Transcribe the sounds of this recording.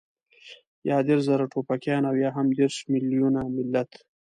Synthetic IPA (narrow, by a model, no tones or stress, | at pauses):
jɑːd̪eɾzaɾaʈʰopakjɑːnawjɑːɦamd̪eɾʃmɪljunamɪlːat̪